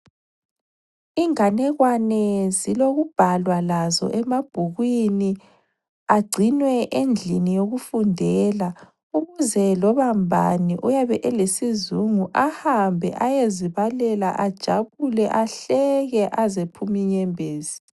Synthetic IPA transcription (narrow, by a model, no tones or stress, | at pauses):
iŋanɛɣwanɛziloɣub̥ʱalwalazɔ̰ʔɛmab̥ʱuɣwini | aɡ͡ǀʱinwɛʔend͡ɮʱinijoɣufundʱɛla | uɣuzɛlɔβambʱa̰niʔujaβɛʔɛlesizuŋuʔahambʱɛ̰ʔajeziβalɛlaʔad̥ʒ̥ʱaβulɛʔaɬɛɣɛʔazepʰumiɲɛmbʱeːzi̥